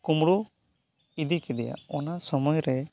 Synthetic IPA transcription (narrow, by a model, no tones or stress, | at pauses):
kumɽu | id̪ikɛd̪ɛja̰ɔnasɔmɔjɾɛ